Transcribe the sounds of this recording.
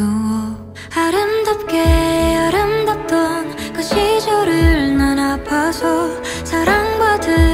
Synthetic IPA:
oʌ | haɾɯmdʌp̚keaɾɯmdʌp̚t͈ʌn | kɯɕʰid͡ʑʌɾɯɭnanapʰasʰʌ | sʰaɾaŋɡwadɯ

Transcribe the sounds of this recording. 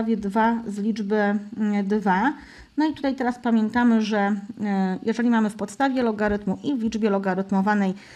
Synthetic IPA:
avʲjɛd̪vazlʲid͡ʐbɘd̪va | nɔit̪u̥t̪ajt̪ɛɾaspamʲjɛnt̪amɘʐɛ | jʔɛʐɛlʲimamɘfpɔt̪st̪avʲjɛlɔɡaɾɘt̪muʔivlʲid͡ʐbʲjɛlɔɡaɾɘt̪mɔvanɛj

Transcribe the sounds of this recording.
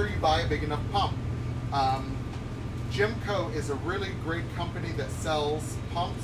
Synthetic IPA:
ə˞jɨbaɪɨbɪɡɨnʌfpʰʌ̃mp̚ʌ̃m | d̥ʒ̥ɪ̃mkʰoʊɪzɨɹɪlˠiɡɹeɪt̚kʰʌ̃mpɨniðɨtsɛlˠz̥pʰʌ̃mp

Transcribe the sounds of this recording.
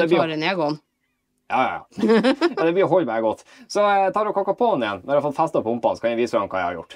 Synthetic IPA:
ɛblɾəneːɡon | jɑ̰ːjɑ̰jɑ̰ːjɑːd̪ɛbliːɦɔlmæɪɡɔt̪ːsɔt̪ɑːɾɔkʰɑkːɑpʰɔɔnɪjɛnmɛnɾɑfɔlfæst̪ɑpʰɔʊmpɑnsɔkʰɑnɛʋiːsɾɑmkʰɑːjæ̰hɑ̰ɾjʊ̰ʈː

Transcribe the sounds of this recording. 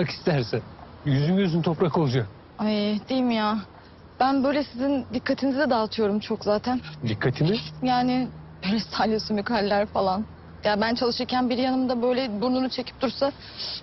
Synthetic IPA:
aki̥st̪ʰæɾsɛn | jyzynɟøzynyt̪ʰo̞pɾakolˠud͡ʒak̚ | ajd̪ejimijaː | b̥ænbø̞jlʲɛsizind̪ikːat̪ʰinizid̪ɛd̪aːt̪ʰɯjo̞ɾumt͡ʃʰokzaːt̪ʰænd̪ikʰːat̪ʰimijaːnɪ | ɾɛst̪ʰalʲjosunmykalʲːæɾfalˠan | jabænt͡ʃʰalˠɯʃɯɾcʰænbiɾjanɯmd̪abø̞jlʲɛbuɾnunut͡ʃʰe̞cʰi̥p̚t̪ʰuɾsa

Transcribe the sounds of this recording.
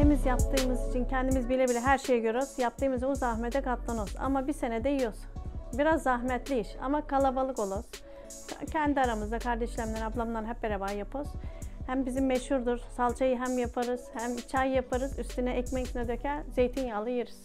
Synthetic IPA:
t̪ʰemizjap̚t̪ʰɯːmɯzit͡ʃʰincʰɛnd̪imizbilʲɛbilʲɛɦæɾʃejɛɟøɾoz̥jap̚t̪ʰɯːmɯzuzaɦmɛd̪ɛkʰaplˠanoza̰mabise̞nɛd̪ejijozbiɾazːaɦmɛt̪lʲiiʃa̰makʰalˠabalˠɯko̞lˠoz̥ | a̰cʰɛnd̪iaɾamɯzd̪akʰaɾd̪ɛʃlʲæmlʲɛɾablˠamlˠanɦɛp̚beɾabaːjapʰoz̥hæmbizimːɛʃhuɾd̪uɾsalˠt͡ʃʰajɯɦæmjapʰaɾɯz̥hæmt͡ʃʰajːapʰaɾɯzyst̪ynɛʔɛcmɛcnɛd̪øcʰɛze̞jt̪ʰinjalˠajɯɾɯz̥

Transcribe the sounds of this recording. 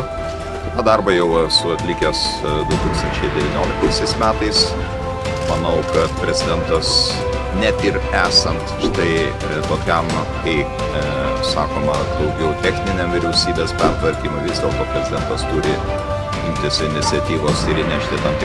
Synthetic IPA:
t̪ɑːd̪ɑɾbɐjɛʊsʊɐt̪ʲlʲɪkʲɛsd̪ʊt̪uːkst̪ɐnʲt͡ʃʲɛɪd̪ʲɛʋʲiːnʲoːlʲɪk̚t̪ɐɪsʲɛɪsmʲæːt̪ɐɪs | mɐnɐʊkɐt̪pʲɾʲɛzʲɪd̪ʲɛnt̪ɐs | nʲæt̪ɪɾæːsɐnt̪ʃt̪ɐɪ | d̪oːkʲɛmkɐɪ | sɑ̰ːkoːmɐd̪ɐʊɡʲɛʊt̪ʲɛxʲnʲɪnʲemʋʲɪɾʲɛʊsʲiːbʲeːspʲɛrt̪ʋɐɾʲkʲiːmɐʋʲizd̪ʲeɛlˠt̪oːpʲɾʲɛzʲɪd̪ʲɛnt̪ɐst̪uːɾʲɪ | ɪmʲt̪ʲɪsɪnʲɪsʲɛt̪ʲiːʋoːsɪɾinʲæʃʲt̪ʲɪt̪ɐmt̪ʲɪ

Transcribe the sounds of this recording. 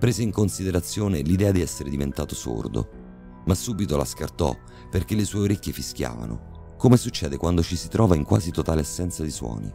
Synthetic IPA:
pɾeːzeiŋkonsid̪eɾat̪sːjoːnelid̪ɛːad̪iɛsːeɾed̪ivent̪aːt̪oso̰rd̪o̰ | masːuːbit̪ola̰skart̪ɔ̰ | perk̟elːeswɔːeoɾekʲːefiskʲja̰ːva̰no̰ | komesut͡ʃːɛːd̪ekwand̪ot͡ʃisi̥t̪ɾʔɔːvaiŋkwaːzit̪ot̪aːleasːɛnt̪sad̪iswɔ̰ːnḭ

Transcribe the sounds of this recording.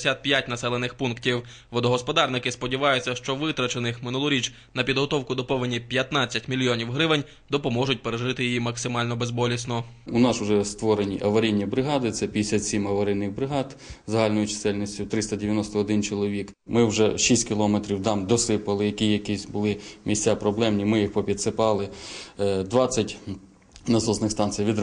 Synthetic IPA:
sʲat̪̚pʲjatʲnɐsɛlˠenɪxpunktʲiw | ʋɔd̪ɔɦɔspɔd̪ɑrnɪkɪspɔdʲiʋɑjʊt͡sʲːɐʃt͡ʃɔʋɪt̪ɾɐt͡ʃenɪxmɪnulˠʊɾʲit͡ʃ | nɐpʲid̪ɦɔt̪ɔwkʊd̪ɔpɔʋɪnʲːipʲjɐt̪nɑt͡sʲːɐtʲmʲilʲijɔnʲiwɦɾɪʋɪnʲ | d̪ɔpɔmɔʒʊt̚ʲpeɾeʒɪt̪ɪjijimɐksɪmɑlʲnɔbezbɔlʲisʲnɔ | ʊnɑsʊʒɛst̪ʋɔɾenʲiʔɐʋɐɾʲijnʲːibɾɪɦɑd̪ɪt̪sɛpʲid̪ʲesʲat̪ʲsʲimɐʋɐɾɪjnːɪxbɾɪɦɑd̪ | zɐɦɑlʲnɔjʊt͡ʃɪ̥sɛlʲnisʲtʲʊt̪ɾɪst̪ɐdʲeʋʲjɐnɔst̪ɔːd̪ɪnt͡ʃɪlˠɔʋʲik | mɪwʒɛʃisʲtʲkʲɪlˠɔmet̪ɾʲiwd̪ɑmd̪ɔsɪpɐlˠɪjɐkʲijɐkʲisʲbʊlˠɪmʲisʲt͡sʲapɾɔblˠɛmnʲimɪjixpɔpʲid̪sɪpɑlˠɪ | d̪ʋɑt͡sʲːɐtʲ | nɐzɔznɪxst̪ɑnt̪t͡s̪ʲijʋʲid̪

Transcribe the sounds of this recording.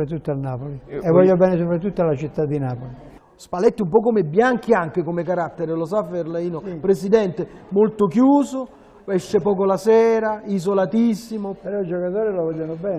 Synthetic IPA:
ɾat̪ut̪ːanaːpoliɛvːɔʎːobɛːnesopɾat̪ːut̪ːalat͡ʃit̪ːad̪ːinaːpoli | spalɛt̪ːumpɔkːomebːjaŋk̟iaŋk̟ɪkomekaɾat̪ːeɾɪlosafeɾlaiːnopɾesid̪ɛnt̪emolt̪ʊkjuːsʊ | ɛʃːepɔːkolasɛːɾaizolat̪isːimopeɾɔid͡ʒokat̪oːɾilovɔʎːanobɛː

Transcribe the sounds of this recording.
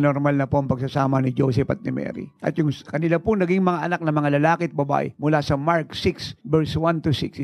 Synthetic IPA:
noɾmalnɐpoʔɐŋpɐɡ̚sɐsaːmɐnɪd͡ʒoːsɛpɐ̰t̪̚nɪmɛ̰ːɾḭʔɐ̰t̪jʊŋkɐnɪlapʊŋnɐɡiŋmɐŋaʔɐnak̚nɐmɐŋalɐlaːkɪt̪̚bɐba̰ːʔɛ̰mʊlasɐmaɹksɪksbɛɹswant̪ʊsɪ̰ks

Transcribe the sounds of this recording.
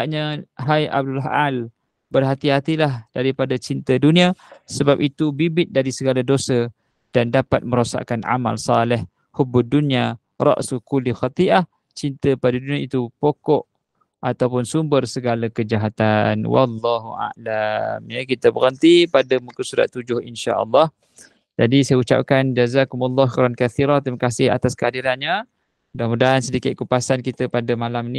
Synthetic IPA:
aʔɲaɦaja̰b̚dulɦal | bərɦat̪iɦat̪ilahd̥aɾipadat͡ʃint̪əduniasəbap̚it̪ubibɪt̪̚daɾisəɡaladosə | d̥andapat̪̚məɾosa̰ʔkana̰ma̰lsɑlɪh | hubudunia | ɾɑ̰ʔsukulixɑt̪iʔah | t͡ʃint̪əpadadunĩait̪upokɔʔ | ʔat̪awpʊnsumbərsəɡalakəd͡ʒaɦat̪anwɑ̰lˤːɑɦṵʔa̰lamjakit̪əbəɾənt̪ipadəmukusuɾa̰ʔ̪ud͡ʒʊhinʃa̰ʔə̰lˤːɑh | d͡ʒadisajəut͡ʃa̰p̚kand͡ʒazakumalˤːɑhxiɾankaθiɾat̪ɾimakasɪha̰t̪askəadiɾanɲə | udamudansədikɪt̪̚kupasankit̪əpadəmalamni

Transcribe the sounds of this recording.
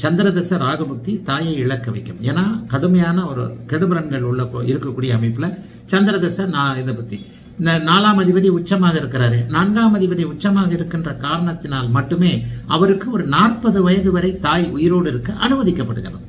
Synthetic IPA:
t͡ʃɐnd̪ɪɾɐðɛsɐɾaːɣɐbʊk̚t̪ːit̪aːjɐɪɪɭɐkːɯʋɐɪkːɯmeːnːaːkɐɽɯmɐjaːnɐɔɾɯ̰kɛɽɯbɐɾɐŋɡɐɭʊɭːɐpːo̰ːɪɾɯkːɐkːuːɽɪjɐːmɐɪpːɪlɐ | t͡ʃɐnd̪ɪɾɐðɛsɐnaːɪnd̪ɐpɐkt̪ːi | nɐnaːlaːmɐðɪbɐðiʊt͡ʃːɐmaːɣɐɪɾɯkːɪɾaːɾeːnaːɳɡaːmɐðɪbɐðiʊt͡ʃːɐmaːɣɐɪɾɯkːɪndrɐkaːɾɐɳɐt̪ːɪnaːlmɐʈːɯmeːɐʋɐɾɯkːɯɔɾɯnaːrpɐðɯʋɐjɐðɯʋɐɾɐɪt̪aːjʊjɪɾoːɽɪɾɯkːɯʔɐnɯʋɐðɪkːɐpːɐɽɯ̰ɣɪɾɐ̰m

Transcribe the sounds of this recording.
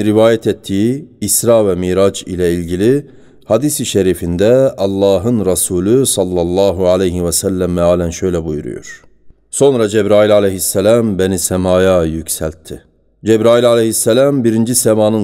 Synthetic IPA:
ɾivaːjɛt̪ʰɛt̪ʰːiiːsɾavɛmiːɾad͡ʒḭlʲɛilʲɟilʲi | had̪isiʃeɾifind̪ɛɑlˠːɑːɦɯnɾasuːlʲusɑlˠːɑlˠːɑːɦualejɦiwɛsælːæmːɛaːlʲænʃø̞jlʲɛbujṵɾṵjo̰ɾ̥ | so̞nɾad͡ʒɛbɾaːilʲalʲeɦisːɛlæmbenisɛmaːjajycsælʲt̪ʰːi | d͡ʒɛbɾaːilʲalʲehisːɛlʲæmbiɾind͡ʒisɛmaːnɯ

